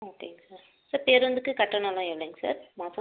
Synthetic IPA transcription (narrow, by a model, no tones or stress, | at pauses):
ɐʈ̪ːiŋɡɐsaɾ | sɐɾpeːɾʋɐnd̪ɯkːɯkɐʈːɐnãlãɛʋleːŋɡɐsa̰ːɾmaːsɐ